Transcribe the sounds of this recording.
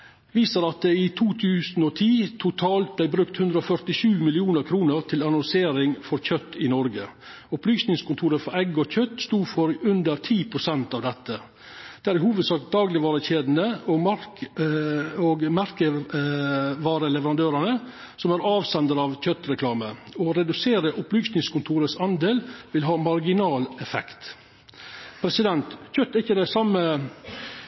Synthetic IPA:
ʋiːsəɾɑt̪̚d̪ɛɪt̪ʰuːt̪ʰʉːsn̩ɔt̪ʰiːt̪ʰʊt̪ʰɑːlt̪̚blæɪbɾʉk̚t̪hʉnd̪ɾəɔfœɾt̪ɪʃʉːmɪlɪuːnəɾkʰɾuːnəɾt̪ʰɪlɑnɔnseːɾɪŋfɔɾçœt̪ːɪnɔɾɡə | ʊplyːsnɪŋskʰʊnt̪ʰuːɾəfɔɾɛɡːɔçœt̪st̪uːfɔɾʉnd̪əɾt̪ʰiːpʰɾʊsɛnt̪ɑːʋd̪ɛt̪ʰːə | d̪̥ɛæɾɪhuːʋəd̪sɑːkd̪ɑːɡlɪʋɑːɾəçeːd̪n̩əɔmɑɾ | ɔɡmæɾkə | ʋɑːɾəlɛʋəɾɑnd̪øːɾənə | sɔmæɾɑːʋsɛnd̪əɾɑʋçœt̪ːɾɛkʰlɑːməɔɾɛd̪ʉseːɾəʔʊplyːsnɪŋskʰʊnt̪ʰuːɾəsɑnd̪eːlʋɪlɦɑːmɑɾɡɪnɑːlɛfɛ̰kt̪ | pʰɾɛsɪd̪ɛnt̪çœt̪ːɾɪçːəd̪æɪsɑmːə

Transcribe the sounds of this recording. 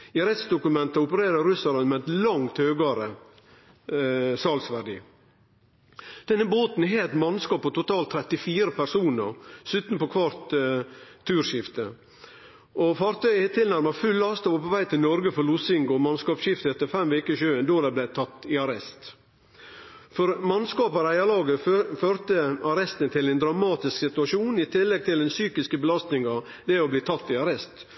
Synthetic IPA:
ɪɑɾɛst̪sd̪ʊkʉmɛnt̪əʊpəɾeːɾɑɾʉsɑɾɛnmɛt̪lɑŋt̪høːɡɑɾə | sɑlsʋæɖḭː | d̪̥ɛnːəboːt̪n̩ɦeːɛt̪mɑnskɑːpːɔt̪ʊt̪ʰɑːlt̪ʰːɾɛt̪ɪfiːɾəpʰæɾsuːnə̰ɾsʉːt̪npɔkʰʋɑɾt̪ʰː | ʉːɾʂɪft̪ə | ʔɔfɑːɾt̪ʰœʏt̪ʰːɪlnæɾmɑfʉlːɑst̪ɑɔpɔʋæɪt̪ʰɪlnɔɾɡəfɔɾlʊsɪŋɡʊmɑnskɑːpɕɪft̪əɛt̪ːəɾfɛmʋeːkəʃʉːənd̪oːd̪ɛblæɪt̪ʰɑt̪ːɪɑɾɛst̪ | fɔɾmɑnskɑːpɑɾæɪɑlɑːɡəføːɾt̪əɑɾɛst̪nt̪ʰɪlɛnd̪ɾɑmɑːt̪ɪsksɪt̪ʉɑʃuːnɪt̪ʰɪlːɛɡ̚t̪ʰɪld̪ɛnsyːkɪskəbəlɑst̪nɪŋɑ | d̪ɛɔbliːt̪ʰɑt̪ːɪɑɾɛst̪

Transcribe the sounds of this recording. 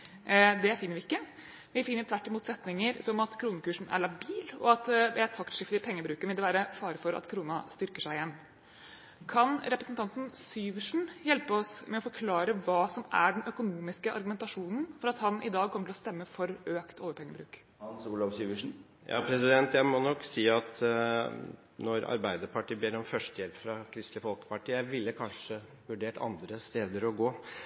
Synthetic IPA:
d̪ɛæfɪnːəʋɪɪkːə | ʋɪfɪnːəɾt̪ʰʋæʈːɪmuːt̪sɛt̪nɪŋəɾsɔmɑt̪kʰɾuːnəkʉːʂɳ̩ʔæ̰ɭɑbiːlɔ̰ɑt̪ʋɛæt̪ʰɑkt̪ʂɪft̪əɾɪpʰɛŋːəbɾʉːkəʋɪld̪ɛʋæːɾəfɑːɾəfɔɾɑ̰t̪kʰɾuːnɑst̪ʏɾkəʂæɪɪjɛnː | kʰɑnɾɛpɾəsnt̪ʰɑnt̪n̩syːʋəʂɳ̩jɛlpəɔsmɛɔfɔɾkʰlɑːɾəʋɑːsɔmʔæ̰ɖɛnʔœkʊnuːmɪskəʔɑ̰ɾɡʉmɛnt̪ɑʂuːnn̩fɔɾɑt̪hɑnʔɪ̰d̪ɑːɡ̚kʰɔmət̪ʰɪlɔst̪ɛmːəfɔɾøːkt̪ʰɔljəpʰɛŋːəbɾʉːk | uːlɑʋsyʋən̩ | jɑ̰ːpʰɾɛsɪd̪ɛnt̪jæɪmɔnɔkːsiːɑt̪ | nɔɾɑ̰ɾbæɪd̪əɾpɑʈiːbeːɾɔmfœʂtʈəjɛlpfɾɑkʰɾɪst̪lɪəfɔlkə̥pɑʈiːjæɪʋɪlːəkʰɑnʂə | ʋʉɖeːʈʰɑ̰nd̪ɾəst̪eːd̪əɾɔɡoː

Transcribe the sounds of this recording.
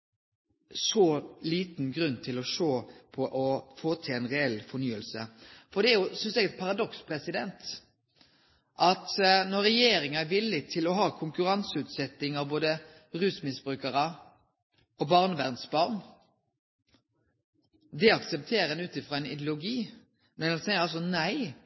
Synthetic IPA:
sɔliːt̪nɡɾʉnːt̪ʰɪlɔʂoːpʰɔʔɔfoːt̪ʰɛɛnʁɛɛlfɔnyːəlsəfɔd̪ɛæɾjʊsʏnsɛɡɛt̪̚pʰɑʁɑd̪ɔkspʰɾɛsɪd̪ɛnt̪ | ʔɑt̪nɔɾɛjeːɾɪŋɑæɾʋɪlːɪt̪ʰɪlɔɦɑːkʰʊŋkʉɾɑnsəʉːt̪sɛt̪ːɪŋɑʋboːd̪ə | ʁʉːsmɪsb̥ɾʉːkəɾə | ɔbɑʁnəʋæʁnsbɑʁn | d̪ɛɑksɛp̚t̪ʰeːɾəd̪ɛnʉːt̪ɪfʁɑːɛnɪd̪jlʊɡiː | mɛnɛnsɛɪəɾɑls̬ɔnæɪ

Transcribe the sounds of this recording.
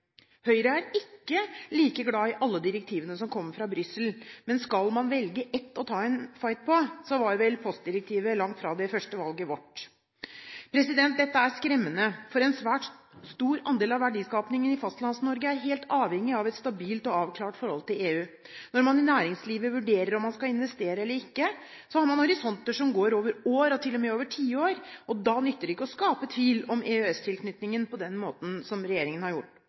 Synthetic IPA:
hœʏɾəæɾɪkːəliːkəɡlɑːɪʔɑlːəd̪ɪɾɛk̚t̪ʰiːʋənəsɔmkʰɔmːəfɾɑbɾʏsəlmɛnskɑlmɑnʋɛlɡəʔɛt̪ːɔt̪ʰɑːɛnfɑɪt̪̚pʰɔsɔʋɑɾʋɛlpʰɔst̪̚d̪ɪɾɛk̚t̪ʰiːʋəlɑŋt̪fɾɑd̪ɛfœʂʈəʋɑlɡəʋɔʈ | pʰɾɛsɪd̪ɛnt̪̚d̪ɛt̪ːəæɾskɾɛmːənəfɔɾɛnsʋæːʈ | st̪uːɾɑnd̪eːlɑʋːæɖiːskɑːpnɪŋənɪfɑst̪lɑnsnɔɾɡəæɾɦeːlt̪ʰɑːʋhɛŋːɪɑʋɛt̪st̪ɑbiːlt̪ɔɑːʋkʰlɑːʈfɔɾhɔlt̪ɪleːʉː | nɔɾmɑnɪnæːɾɪŋsliːʋəʋʉɖeːɾəɾɔmːɑnskɑɪnʋɛst̪eːɾəɛlːəɾɪkːə | sɔhɑɾmɑnhɔɾɪsɔnt̪əʂɔmɡoːɾoːʋəɾoːɾɔt̪ʰɪlːɔmɛoːʋəʈʰiːəoːɾʔɔd̪ɑnʏt̪ːəɖɪkːəɔskɑːpət̪ʰʋiːlɔmeːʉɛst̪ʰɪlkʰnʏt̪nɪŋənpɔd̪ɛnmoːt̪n̩sɔmɾɛjeːɾɪŋənhɑɾjʊʈː

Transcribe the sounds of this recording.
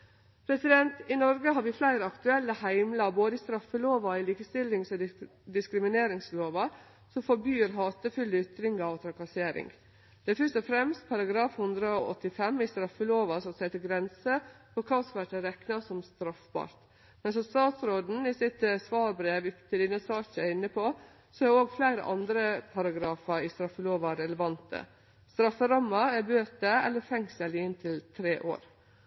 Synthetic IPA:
pʰɾɛsɪd̪ɛnt̪ɪnɔɾɡəɦɑɾʋɪflæɪɾəɑkt̪ʉɛlːəhæɪmlɑboːd̪əɪːst̪ɾɑfːəloːʋɑɪliːkəst̪ɪlːɪŋsɔd̪ɪskɾɪmɪneːɾɪŋsloːʋɑ | sɔmfɔɾbjyːɾɦɑːt̪əfʉləʏt̪ɾɪŋɡɑɔt̪ʰɾɑkɑseːɾɪ̰ŋ | d̪̥ɛæfœʂʈɔfɾɛmst̪̚pʰɑɾɑɡɾɑːfhʉnd̪ɾəɔɔ̰t̪ːɪfɛmːɪst̪ɾɑfːəloːʋɑsɔsɛɪt̪ɪɡɾɛnsəpɔkʰɑːsʋæʈəɾɛknɑsɔmst̪ɾɑfbɑ̰ːɾt̪ | mɛnsɔst̪ɑːt̪sɾoːd̪n̩ɪsɪt̪sʋɑːɾbɾeːʋʏt̪ʰɪd̪ɪnːəsɑːçəɾɪnːəpʰo | sɔæoːɡflæɪɾə̰ʔɑnd̪ɾəpʰɑɾɑɡɾɑːfɑɾɪst̪ɾɑfːəloːʋɑɾɛləʋɑnt̪ə̰ | st̪ɾɑfːəɾɑmːɑæbøːt̪əɛ̰lːəɾfɛŋsəlɪɪnt̪ʰɪlt̪ʰɾeːʔo̰ːɾ

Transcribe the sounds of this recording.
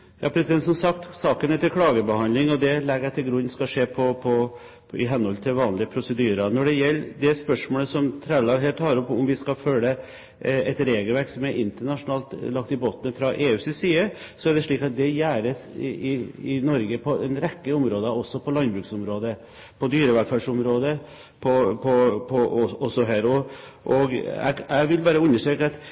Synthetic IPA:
jɑːpʰɾɛsɪd̪ɛnt̪sɔmsɑk̚t̪sɑːkənɛt̪ːəlkʰɽɑːɡəbəhɑnlɪŋɔd̪ɛlɛɡəæɪt̪ʰɪlɡɾʉnːskɑʂeːpʰɔpʰɔ | ɪ̰ɦɛnːhɔlt̪ʰɪlʋɑːnlɪəpʰɾʊsəd̪yːɾənɔɖɛjɛlːd̪ɛspœʂmoːləsɔmt̪ʰɾælɑːɦɛlt̪ʰːɑːɾɔpːʊmʋɪskɑfœlːə | ɛt̪ɾeːɡəlʋæɾksɔmæɾʔɪnt̪əɳɑʂʊnɑːlt̪lɑk̚t̪ɪboːt̪nəfɾɑʔeːʉːsɪsiːəsɔæɖɛʂɭiːkɑt̪̚d̪ɛjæːɾəsɪɪnɔɾɡəpʰɔʔɛnɾɛkːəʊmɾoːd̪əɔsːɔpʰɔlɑnbɾʉːksʊmɾoːd̪ə | pʰɔd̪yːɾəʋæfæʂʊmɾoːd̪ə | pʰɔpʰɔpʰɔɔɔsːɔɦæːɾɔʔɔɡæ̰ɡæɪʋɪlbɑːɾəʉnːəʂʈɾøːkəɑt̪

